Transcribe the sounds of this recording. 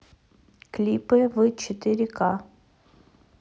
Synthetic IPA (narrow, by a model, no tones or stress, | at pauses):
klʲipɨvɨt͡ɕɪt̪ɪɾʲɪka